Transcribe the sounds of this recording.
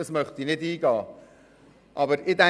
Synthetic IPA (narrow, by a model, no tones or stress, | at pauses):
ɑsmœχt̪inɪdiːɡɑː | ʔɑbəɾɪd̪æ